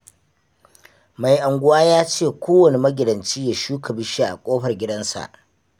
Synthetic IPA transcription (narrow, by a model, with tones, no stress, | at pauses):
ma˨jʔa˨ŋɡʷʊ˦waː˦jaː˦t͡ʃeː˦˨kʷoː˦wɐ˨ne˨mɐ˦ɡʲɪ˨dɐ˨nt͡ʃiː˦ja˨ʃuː˦kʰɐ˨bɪ˦ʃi˦ʔa̰˨kʷʼoː˦ɸɐ˨rɡʲɪ˦dɐ˦nsa̰˨ʔ